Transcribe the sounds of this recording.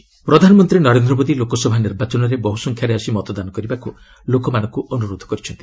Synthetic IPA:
pɾɔd̪ʱanɔmɔnt̪ɾinɔɾend̪ɾɔmod̪ilokɔsɔbʱaniɾbat͡ʃɔnɔɾebɔɦusɔŋkʰjaɾeasimɔt̪ɔd̪anɔkɔɾibaku | lokɔmanɔŋkuʔɔnuɾod̪ʱɔ̥kɔɾit͡ʃʰɔnt̪i̥

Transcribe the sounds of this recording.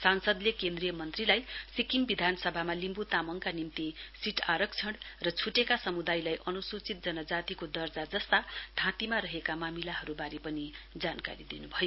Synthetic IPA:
sansʌd̪lekend̪rijʌmʌnt̪rilajsikiŋbid̪ʱanʌsʌbʱamalimbut̪amʌŋkanimt̪isiʈʰaɾʌk̚t͡sʰʌɽrʌt͡sʰuʈekasʌmud̪ajlajʔʌnusut͡sit̪̚d͡zʌnʌd͡zat̪ikod̪ʌrd͡zad͡zʌst̪ad̪ʱãt̪imaɾʌɦekamamilaɦʌɾubaɾipʌnid͡zanka̰ɾid̪inubʱʌjo

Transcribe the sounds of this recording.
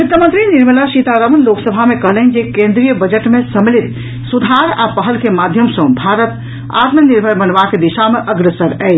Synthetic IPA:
kut̪əmə̃nt̪ɾiniɾməlasit̪aɾəmənloksəbʱamekəɦlɛɦnid͡ʒekẽnd̪ɾijəbəd͡ʒəʈmesəmelit̪ | sud̪ʱaɾa̰pəɦəlkemad̪ʱjəmsə̃bʱaɾət̪ | a̰t̪məniɾbʱəɾbənʋaked̪iʃameʔəɡɾəsəɾɛɪ

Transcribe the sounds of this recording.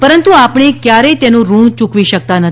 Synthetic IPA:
pəɾənt̪uapɳ̃ekjaɾəit̪enũɾũɳt͡ʃukʋiʃək̚t̪anət̪

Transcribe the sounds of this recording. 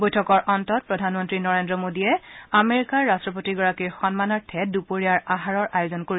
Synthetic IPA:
bojtʰɔkɔɹʔɔntɔt̚pɹɔdʱanmɔntɹinɔɹendɹɔmodiɛameɹikaɹːastɹɔp̬otiɡɔɹakiɹxɔnmanɔɹtʰɛdupoɹiaɹaɦaɹɔɹajozɔnkoɹi

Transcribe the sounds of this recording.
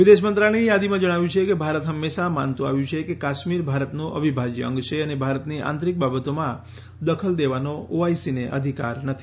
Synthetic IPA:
ʋid̪eʃmənt̪ɾaɭ̃ijad̪imãd͡ʒəɽ̃aʋjũt͡ʃʰekebʱaɾət̪ɦəmːeʃama̰nt̪ũa̰ʋjũt͡ʃʰekekaʃmiɾbʱaɾət̪nũʔə̰ʋʱibʱad͡ʒjəə̰̃ŋɡt͡ʃʰeənebʱaɾət̪niʔã̰nt̪ɾik̚babət̪omã | d̪əkʰəld̪eʋanooaisineʔəd̪ʱika̰ɾnət̪ʰi̥

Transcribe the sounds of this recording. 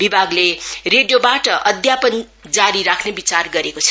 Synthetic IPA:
bibʱaɡlereɖjobaʈʌʔʌd̪ʱjapʌn | d͡zaɾiɾakʰnebit͡sarɡʌɾekot͡sʰ

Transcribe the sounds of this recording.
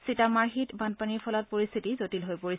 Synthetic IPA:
sitamaɹɦitbanpaniɹpʰɔlat̚poɹist̪ʰitizotilɦojpoi

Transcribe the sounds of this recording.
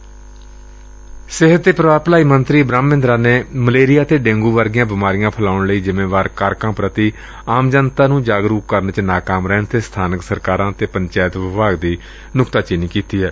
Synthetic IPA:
sɪɦət̪ːeːpɾəʋaːpəlaːiːmənt̪ɾiːəbɾaːmːɪ̃nd̪ɾaːneːməleːɾɪjaːt̪eːɖẽːŋɡuːʋəɾɡɪjãːbɪmaːɾɪjãːpʰəlaːʊɳləiːzɪmẽːʋaːɾkaːɾkãːpɾət̪iː | aːmd͡ʒənt̪aːnũːd͡ʒaːɡɾuːkkəɾnt͡ʃnaːkaːmɾɛːnt̪eːst̪ʰaːnəksəɾkaːɾãːt̪eːpəɲt͡ʃaːjət̪ʋɪʋaːɡd̪iː | nʊkt̪aːt͡ʃɪniːkiːt̪iːɦɛː

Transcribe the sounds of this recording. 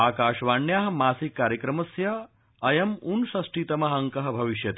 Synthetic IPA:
aːkaːʃʋaːɳjaːɦɐ̆maːsikːaːɾjɐkɾɐmɐsjɐ | ɐjɐmunsɐsʈiːt̪ɐmɐɦɐŋkɐɦɐ̆bʱɐʋiʃjɐt̪

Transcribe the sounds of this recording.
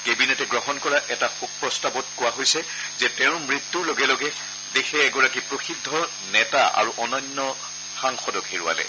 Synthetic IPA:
kebinɛtɛɡɹɔɦɔnkɔɹaʔɛtaxuk̚pɹɔstabɔt̚kʊwaɦojsɛ | zɛtɛʊ̃mɹit̪ːuɹloɡɛlɔɡɛ | dexʰɛːɡɔɹakipɹoxidʱːɔ | nɛtaa̰ɹuʔɔnɔnːɔ | xaŋxɔdɔkɦeɹua̰lɛ̰

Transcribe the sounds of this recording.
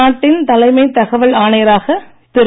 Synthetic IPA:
aːʈːɪnt̪ɐlɐɪmɐɪt̪ɐɣɐʋɐɭaːnɐjɐɾaːɣɐ | t̪ɪɾ

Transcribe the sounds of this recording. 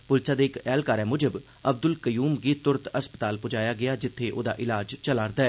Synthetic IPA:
pʊlsaːd̪eːɪkɛːlkaːɾɛːmʊd͡ʒəb | əb̚d̪ʊlkəjuːmɡiːt̪ʊɾət̪əspə̥t̪aːlpʊd͡ʒaːjaːɡɪaːd͡ʒɪt̪ʰːeːʔo̰ːd̪aːʔɪlaːd͡ʒt͡ʃəlaːɾd̪aːɛː

